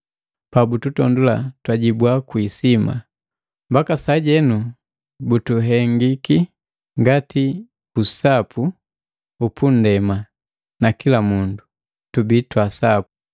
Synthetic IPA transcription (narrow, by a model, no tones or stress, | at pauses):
pabututɔndula̰twaɟibwakwisima̰ | mbakasaɟɛnu | butuɦɛŋɡiki | ŋɡati | usapʰu | upʰun̩dɛma | nakilamundu | tubitwasapu̥